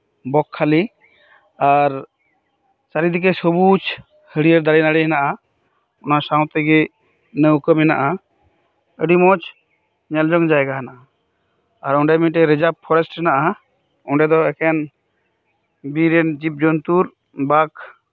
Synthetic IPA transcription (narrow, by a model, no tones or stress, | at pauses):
bɔkʰːali | aɾ | saɾid̪ik̬ɛsɔbut͡ʃ | həɽiəɾd̪aɾɛnaɽɛɦɛnaʔa | ɔnasaw̃t̪ɛɡɛ | nəwkəmɛna̰ʔa | əɖimɔt͡ʃ | ɲɛld͡ʒɔŋd͡ʒaɛɡaɦɛnaʔaː | ɾɔɳɖɛmĩʈɛɾɛd͡ʒap̚ʰɔɾɛsʈɾɛnaʔa | ɔɳɖɛd̪ɔɛkɛn | biɾɛnd͡ʒip̚d͡ʒɔnt̪uɾ | bak